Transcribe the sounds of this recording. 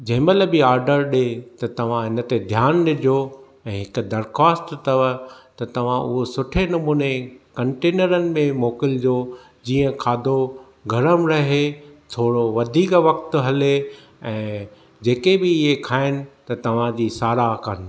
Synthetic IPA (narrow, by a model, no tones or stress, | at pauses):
d͡ʑɐɦɪ̃mɐləbɪaːɾɖəɾɗet̪ɐt̪ɐʋ̤ãɦɪnə̆t̪ed̪ʱjaːnɗɪd͡ʑʱo | ɛ̃ːɦɪkʊ̆d̪ɐɾkaːsʈt̪ɐʋət̪ɐt̪ɐʋ̤ãʔʊɦosʊʈʰenʊmuːnekɐ̃ɳʈeːnəɾənɪ̆mẽmoːkɪld͡ʑoː | d͡ʑiːə̃kʰaːd̪ʱo | ɡʱɐɾəmɾɐɦet̪ʰoːɽoʋɐd̪ʱiːkʋɐkt̪ɦɐle | ɛ̃ː | d͡ʑeːkebɪɪɦekʰaːɪnɪ̆t̪ɐt̪ɐʋ̤ãd͡ʑiːsaːɾakən